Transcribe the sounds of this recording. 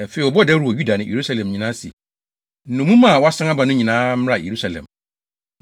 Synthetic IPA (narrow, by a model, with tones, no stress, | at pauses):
ɛ˨fe˨˦i˨ɔ˨bɔ˦dɛ˦ɾu˨wɔ˨ju˦da˨nɪ̃˨jḛ˨ɾu˦sa˦lɛ̃˨mɲĩ˨nãː˦sḭ˨ | n̩˦nʊ̃˨mũ˦mã˦˨wɔ˦a˦sã˦ŋ˦a˦bã˨nʊ̃˦ɲĩ˨nãː˦m̩˦ɾa˨jʔḛ˨ɾu˦sa˨lɛ̰̃˨m